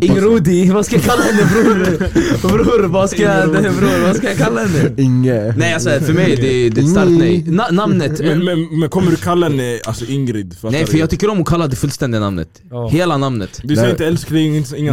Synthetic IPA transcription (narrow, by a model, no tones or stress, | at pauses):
ɪŋɾuːd̪ɪvaskajakʰalːahɛnːəbɾuːɾbɾuɾvaskajad̪ɛbɾuːɾvaskajakʰalːahɛnːəɪŋːənɛɪalsɔfœɾmɛjd̪ɛd̪ɛst̪aɾkt̪nɛjnanamnət̪mɛmɛnmɛnkʰɔmːəɖʉkʰalːaɛnːəalsɔʔɪŋɾɪd̪fnɛjfœɾjɑɡt̪ʏkːəɾɔmʊkʰalːad̪ɛfɵlst̪ɛnd̪ɪɡana̰mnə̰t̪ | heːlanamnə̰t̪d̪ɪaɪ̃nt̪əɛlskd̪ɪɪŋː